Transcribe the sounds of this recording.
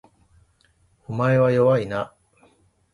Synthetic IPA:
omaeβajoβaina

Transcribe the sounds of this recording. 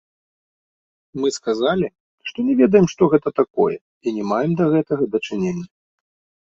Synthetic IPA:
mɨskazalʲi | ʂt̪ɔnʲɛvʲɛd̪ɐjɛmʂt̪ɔɣɛt̪ɐt̪akɔ̰jɛ̰ | inʲɛmajɛmd̪ɐɣɛt̪ɐɣɐd̪ɐt͡ʂɨnʲenʲːɐ

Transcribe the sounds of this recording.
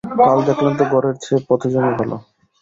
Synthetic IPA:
kald̪ɛkʰlant̪̬oɡɔɾeɾt͡ɕʰepɔt̪ʰod͡ʑonibʱalo̰

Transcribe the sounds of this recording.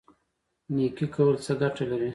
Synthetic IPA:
nikikawəlt͡səɡaʈalaɾi

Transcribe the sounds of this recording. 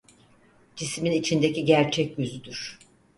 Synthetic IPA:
d͡ʒisminit͡ʃʰind̪eciɟæɾt͡ʃʰɛcjyzyd̪yɾ̥

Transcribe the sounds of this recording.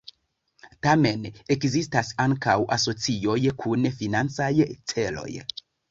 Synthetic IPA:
tame̞nekzistasaŋkawʔa̰so̞t͡sio̞jkʰunfinant͡sajt͡selo̞̰j

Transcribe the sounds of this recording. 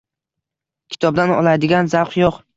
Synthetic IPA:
kʲʰɪ̥t̪ʰɒb̚d̪anɒ̰lˠad̪ɪɡʲanzawqjoq

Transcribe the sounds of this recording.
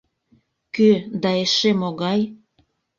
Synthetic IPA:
kød̪ɑeʃemoɣɑj

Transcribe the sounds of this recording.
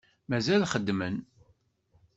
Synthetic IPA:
mæzælχəd̪ːmən

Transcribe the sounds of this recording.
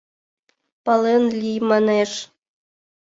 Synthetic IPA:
pɑlˠenlʲijmɑneʂ

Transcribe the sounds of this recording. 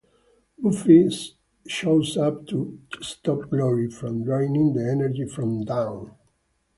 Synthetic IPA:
bufis | ʃoʊzap̚t̪ʰust̪ɔp̚ɡlɔɹifɹɔ̃mɹãjnɪ̃ŋd̪iɛnəɹd͡ʒifɹɔ̃md̪ãw̃n

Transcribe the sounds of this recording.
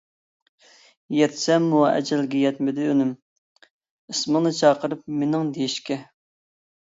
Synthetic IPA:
jɛt̪sɛmːuɛ̰d͡ʒɛlɡʲɛjɛt̪mɪd̪ɪønym | əsməŋnɨt͡ʃʰɑːqʰəɾɨp̚menɪŋd̪ejiʃkʲɛ

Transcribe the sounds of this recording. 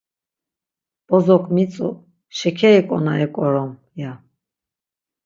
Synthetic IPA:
b̥ɔzɔkʰʼmit͡sʼṵ | ʃɛkʰɛːkʼɔnaɛkʼɔɾɔm | ja

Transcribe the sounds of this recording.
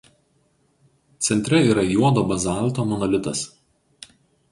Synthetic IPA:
t̪sʲɛnʲt̪ʲɾʲɛiːɾɐjuɔd̪oːbɐzɑˑlˠˑt̪oːmɔnɔlʲɪt̪ɐs

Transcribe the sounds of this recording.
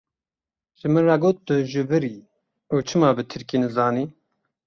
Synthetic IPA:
ʒ̥ɨmɨnrɑɡoːt̪̚bɨʒɨvɨɾiː | uːt͡ʃʰɨmɑːbɨt̪ʰɨɾkiːnɨzɑːniː

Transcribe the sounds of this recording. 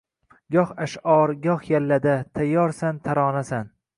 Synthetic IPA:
ɡɒhaʃɒɾɡɒhjalːad̪at̪ʰajːɒɾsant̪ʰaɾɒːnasan

